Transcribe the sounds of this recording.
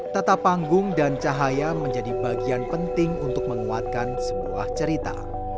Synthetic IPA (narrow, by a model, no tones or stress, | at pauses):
t̪at̪apːaŋɡʊŋdant͡ʃaɦajaməɲd͡ʒadibaɡianpənt̪ɪŋunt̪ʊk̚məŋuat̪̚kansəbua̰ht͡ʃəɾit̪a̰